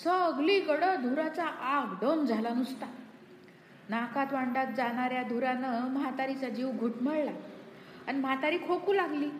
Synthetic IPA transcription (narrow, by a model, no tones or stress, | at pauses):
səːɡliːɡəɽəd̪ʱuɾat͡saʔaɡɖ̪əmd͡zʱalanust̪a | nakat̪ʋaɳɖat̪̚d͡zaɽ̃aɾjad̪ʱuɾanəmɦat̪aɾit͡sad͡ʑiʋɡʱuʈməɭla | animat̪aɾiːkʰokuːlaɡliː